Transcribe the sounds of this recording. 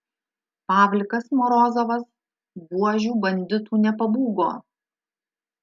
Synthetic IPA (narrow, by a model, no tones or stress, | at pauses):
pɑːʋʲlʲkɐsmɔɾɔːzɐʋɐs | ɡuɔʒʲuːbɐnʲd̪ʲɪt̪uːnʲɛpɐbuːɡo̰ː